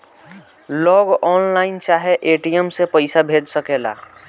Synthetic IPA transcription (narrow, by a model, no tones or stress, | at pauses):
lɔɡɔːnlaɪnt͡ʃaːɦeʔeʈijəmsepəɪsabʱed͡ʒsəkela̰